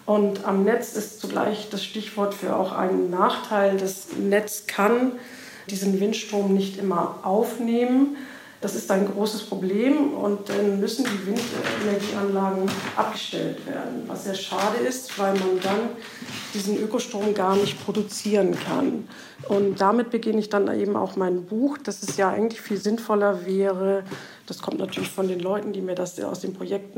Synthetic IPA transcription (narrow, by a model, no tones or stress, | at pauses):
ʔʊntamnɛt͡sɪstt͡suɡla̰ɪçd̥asʃtɪçv̥ɔɐtfyːɐʔa̰ʊxʔa̰ɪnənːaːχtʰaɪldɛsnɛt͡skʰan | d̥iːzn̩vɪntʃtʁ̥oːmnɪçtʔɪmɐʔaʊfneːmən | d̥asɪstaɪnɡʁoːsəspʁ̥obleːmʊ̰ntd̥anmʏsn̩diːvɪntɛ̰nɛɐɡiːʔanlaːɡŋ̩ʔa̰p̚ɡ̥əʃtɛ̰ltv̥ḛːɐdn̩va̰sz̥eːɐʃaːdəɪstv̥aɪlmandan | d̥iːzn̩ʔøːkoʃtʁ̥oːmɡaːɐnɪçtpʁ̥odut͡siːʁənkʰa̰n | ʔʊntd̥amɪt̚b̥əɡɪnəɪçd̥anʔḛːbm̩ʔa̰ʊxmaɪnbuːxd̥asɛsjaːʔaɪɡŋ̩tlɪçfiːlzɪnfɔlɐvɛːʁə | d̥askʰɔmtnatʰyːɐlɪçfɔndeːnlɔʏtn̩diːmiːɐdasa̰ʊsd̥eːnpʁ̥ojɛk̚tn̩